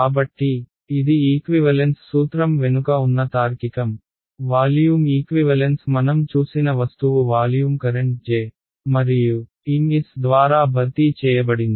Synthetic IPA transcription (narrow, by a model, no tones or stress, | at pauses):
kaːbɐʈːiː | d̪iiːkʋiʋɐlensːuːt̪ɾɐmʋe̞nukɐunːɐt̪aːɾkikɐm | ʋaːljuːmiːkʋiʋɐlensmɐnɐmt͡ʃuːsinɐʋɐst̪uʋuʋaːljuːmkɐɾeɳʈ̚d͡ʒeː | mɐɾiju | iŋɡisd̪ʋaːɾaːbʱɐɾt̪it͡ʃɛːjɐbɐɽind̪i